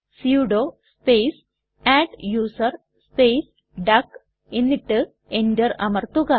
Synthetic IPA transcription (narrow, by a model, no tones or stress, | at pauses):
siuɖoː | speːs | aːʈjuːsɐr | spejs | ɖɐk | enːiʈːɨ | endɐrɐ̰mɐrt̪uɣɐ